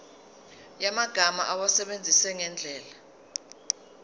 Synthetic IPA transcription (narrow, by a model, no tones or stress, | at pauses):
jamaɡ̥ʱama̰ʔawasɛɓend͡zʱisɛŋɛnd͡ɮʱɛːla